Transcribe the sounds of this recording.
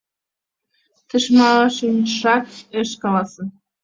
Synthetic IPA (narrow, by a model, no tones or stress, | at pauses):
t̪ə̆ʃmɑʃənʃɑkəʃkɑlɑsɤ